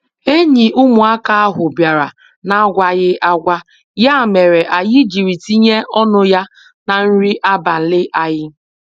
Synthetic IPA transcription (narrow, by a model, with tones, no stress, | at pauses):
e˦ɲi˨ʔu˦mʊ˨a˦ka˦a˦ɦʊ˨bja˨ɾa˨ | na˨˦ɡʷa˦ɣɪ˦ʔa˦ɡʷa˦ | ja˦˨me˨ɾe˨ʔa˨ji˦d͡ʒi˨ɾi˨ti˦ɲe˦ʔɔ˦nʊ˦ja˦ | na˨n̩˦ɾi˦ʔa˦ba˨n̩˦˨lɪ˦ʔa˦ɣɪ˦